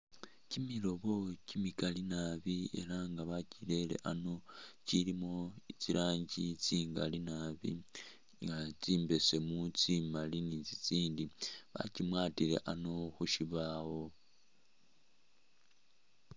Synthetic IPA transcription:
cimilo̞βo̞cimikalinaβie̞̰ɾaŋɡaβacile̞le̞̰ʔano̞cilimo̞it͡siɾʔaːɲɟit͡siːŋɡa̰linaβḭ | ŋɡat͡siːmbe̞se̞mut͡simalinit͡sit͡siːndiβa̰cimwaːtiɾe̞̰ʔano̞xuʃiβawo̞

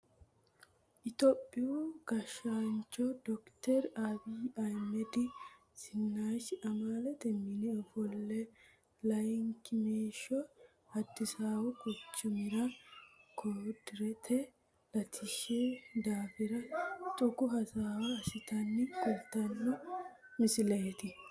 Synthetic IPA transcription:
ʔɪt̪oːpʼːɪuːɡ̥ɐʃaːnt͡ʃɔd̪ɔkt̪ɛɾabiɐjmɛd̪ɪ | sɪnːaːʃʔɐmaːlɐt̪ɛmːɪnɪɔfɔlːɛ | lɐjŋkmeːʃɔ | ɐd̪ːɪsaːwɔkʊt͡ʃːʊmɪɾɐkʰoːd̪ɾɛt̪ʰɛ | lɐt̪ʰɪʃed̪aːfɪɾɐt̪ʼʊkʊɦɐsaːwɐɐsɪt̪ɐnːɪkʼɔlt̪ɐnːʊmɪsɪleːt̪ɪ

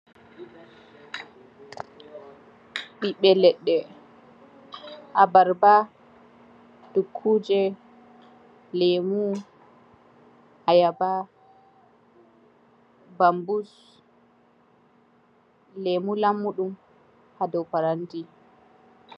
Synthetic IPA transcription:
ɓiɓɛlɛɗːɛ | ʔabaɾba | d̥ukʰːuːd͡ʒɛ | lemu | hajaba | bambus | lemulamːuɗum | hadɔwpaɾanti

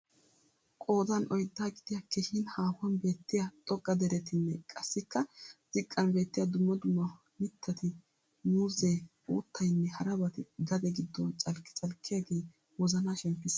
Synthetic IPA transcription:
kʼo̞ːd̪ɐnʔɔjd̪ːaːɡɪd̪̥ɪjɐkːehɪnhaːfɐnbe̞ːt̪ːɪjɐt̪ʼɔɡʼːɐd̪ɛɾɛt̪ɪnːɛkʼɐsːɪkːɐsɪkʼːɐnbe̞ːt̪ːɪjɐd̪ʊmːɐd̪ʊmːɐ | mɪt̪ʰːɐt̪ɪ | nuːzɛj | ṵːt̪ːɐjnːɛhɐɾɐbɐt̪ɪɡɐd̪ɛɡɪd̪ːɔt͡ʃʼɐlkːɪ̥t͡sʼɐlkʰːɪjɐɡe̞ː | wɔzɐnaːʃɛmpːɪs

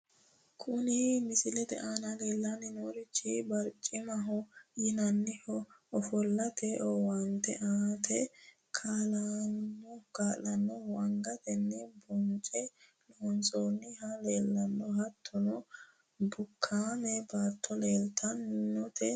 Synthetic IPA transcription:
kʰʊnɪmɪsɪlɛd̪ɛ̰ʔaːnɐle̞ːlːanɛnoːɾɪt͡ʃːɪbɐɾt͡ʃʼːɪmɐɦɔjɪnɐnːɪhɔɔfɔlːɐt̪ʰɛʔɔwɐnt̪ːɛʔaːt̪ʰɛ | kʰalanːɔɡaːlːɐnːɔwɐŋɡɐt̪ɛnːɛbɔnt͡ʃʼɛ | loːnt͡sʼoːnːɪhɐleːlːɐnːɔɦɐt̪ʰːɔnɔ | bʊkʰːaːmɛbaːt̪ʰːɔleːlt̪ʰɐnːɔt̪ɛ

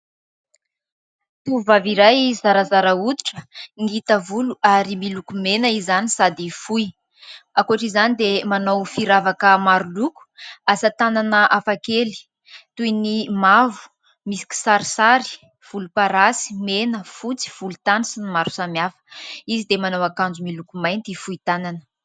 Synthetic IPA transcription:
t̪uvaviɾajzaɾazaɾaut̪uʈ͡ʂə̥ŋit̪əvuluaɾimilukumenəizanisad̪ifuj | akuaʈ͡ʂizanid̪emanowfiɾavakəmaɾuluku̥asət̪ananəʔafakeli̥ | t̪ujnimavu̥ | misi̥kʲi̥saɾisaɾi̥ | v̥ulupaɾasi̥menəfut͡si̥v̥ulut̪anisinimaɾu̥samjafə̥izid̪emanawakand͡zumilukumajnt̪ifujt̪ananə̥

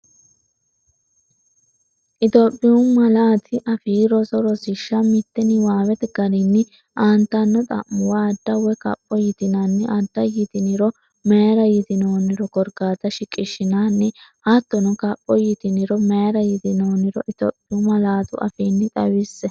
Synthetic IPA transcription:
ʔɪt̪opʼːɪjʊmɐlaːt̪ʰɪʔɐfiːɾɔsɔɾɔsɪʃːɐmɪt̪ːɛnɪwaːwɛt̪ɡɐɾɪnːɪ | ʔaːnt̪ːɐnːɔt̪ʼɐ̰ʔʊwaːd̪ːɐwɛkɐ̰pʼːɔjɪt̪ɪnɐnːɛʔad̪ːɐjɪt̪ɪnɪɾɔ | mɛɾɐjɪt̪ɪnoːnɪɾɔkɔɾɡaːt̪ɐʃɪkʼːɪʃːɪnaːnːɪhat̪ːɔnɔkɐpʼːɔjɪt̪ɪnɪɾɔmɛɾɐjɪd̪ɪnoːnɪɾɔʔɪt̪ɔ̰pʼːɪʊmɐlaːt̪ʊʔɐ̰fiːnːɪt̪ʼɐwɪsːɛ

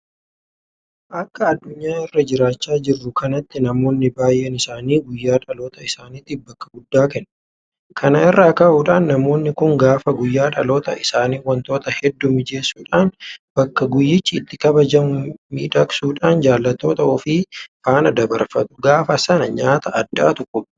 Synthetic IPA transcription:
ʔɐkːɐːd̪ːʊɲːaːɪrːɐd͡ʒɪɾaːt͡ʃːaːd͡ʒɪrːʊkɐnɐt̪ːɪnɐmo̞ːnːɪbaːjːɛnɪsaːniːɡʊjːaːᶑɐlo̞ːt̪ɐɪsaːnit̪ːɪbɐkːɐɡʊd̪ːaːkɛn | kʰɐnɐɪrːaːkaʔuːᶑaːnːɐmo̞ːnːɪkʊŋɡaːfɐɡʊjːaːᶑɐlo̞ːt̪ɐ̰ɪsaːniːwɐnt̪o̞ːt̪ɐhɛd̪ːʊmɪd͡ʒe̞ːsːuːᶑaːnb̥ɐkːɐɡʊjːɪt͡ʃːɪːt̪ːɪkɐbɐd͡ʒɐmʊmḭːᶑɐksuːᶑaːnd͡ʒaːlːɐt̪ːo̞ːt̪ɐɔfiːfaːnɐd̪ɐbɐɾfɐt̪ʼʊ̥ɡaːfɐsɐnɐɲaːt̪ɐʔːd̪ːa̰ːt̪ʊkʼːʊ

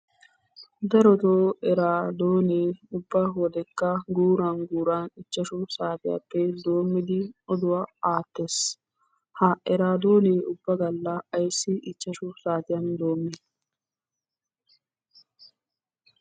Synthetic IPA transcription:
d̪ɐɾɔt̪oːɛɾaːd̪oːneːʊbːɐɦɔd̪ɛkːɐɡuːɾaːnɡuːɾaːnɪt͡ʃːɐʃʊsaːt̪ɪja̰pːɛd̪o̞ːmːɪd̪ɪɔd̪ʊwaːaːt̪ːes | hɐʔɛɾaːd̪oːneːʔʊbːɐɡɐlːɐɐjsːɪʔɪt͡ʃːɐʃʊsaːt̪ɪjɐnd̪o̞ːmːɪ

